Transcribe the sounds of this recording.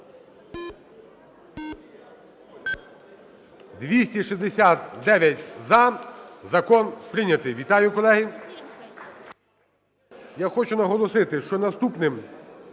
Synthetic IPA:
d̪ʋʲisʲtʲiʃizd̪esʲat̪d̪ɛʋʲjɐtʲzɐzɐkɔnpɾɪnʲɐt̪ɪjʋʲit̪ɑjʊkɔlˠɛɦi | jaxɔt͡ʃʊnɐɦɔlˠɔsɪt̪ɪʃt͡ʃɔnɐst̪upnɪm

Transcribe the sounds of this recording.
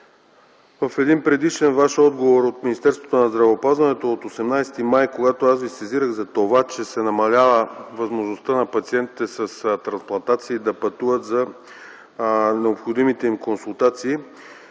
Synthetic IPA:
vəfɛd̪inpɾɛd̪iʃɛnvaʃɔd̪ɡovoɾot̪minist̪ɛɾst̪vo̥t̪onɐzd̪ɾɐvɛːpazvɐnɛt̪oːt̪osɛmnajsɛ̥t̪imajkoɡat̪oasvisɛziɾəɣzɐt̪ovat͡ʃɛsɛnɐmɐlʲavəvɐzmoʒnost̪ənɐpɐt̪siɛnt̪it̪ɛsəst̪ɾɐ̃nsplˠɐnt̪at̪siːd̪ɐpɐt̪uvət̪zɐ | nɛopxod̪imit̪ɛimkonsulˠt̪at̪siː

